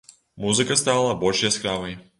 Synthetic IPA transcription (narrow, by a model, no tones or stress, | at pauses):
muzɨkast̪aalˠabɔlʲʃjɛskɾavajʲi